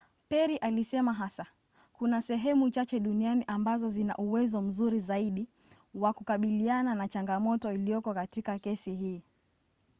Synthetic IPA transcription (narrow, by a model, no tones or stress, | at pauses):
pɛɾiʔalisɛmaɦasa | kunasɛɦɛmut͡ʃat͡ʃɛɗunianiʔambazɔzina̰ʔuwɛzɔm̩zuɾizaiɗi | wakukaɓiliananat͡ʃaŋɡamɔtɔilijɔkɔkatikakɛsiɦiː